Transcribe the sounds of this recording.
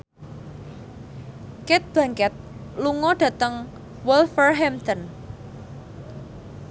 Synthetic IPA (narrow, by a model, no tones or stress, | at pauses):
kɛt̪̚b̥ä̤ŋkɛt̪̚luŋɔɖ̥ä̤t̪əŋ | wɛlfərɦɛmt̪ən